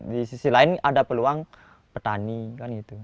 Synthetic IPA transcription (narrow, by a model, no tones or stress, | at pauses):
disisilaɪnadapəluaŋ | pət̪anikanɡit̪u